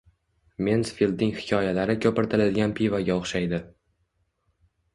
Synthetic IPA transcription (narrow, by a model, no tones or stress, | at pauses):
mensfilˠd̪nɪŋhɪ̥kʲʰɒjalaɾɪkʲʰɵpɪɾt̪ʰɪlad̪ɪɡʲanpʰivaɡʲaoχʃajd̪ɪ